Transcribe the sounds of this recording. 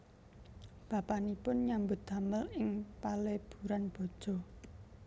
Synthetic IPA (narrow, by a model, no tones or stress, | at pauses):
b̥a̤panipʊnɲambʊt̪̚d̪̥a̤məlɪŋpaleb̥ṳɾanb̥ɔ̤d̥ʒ̥ɔ̤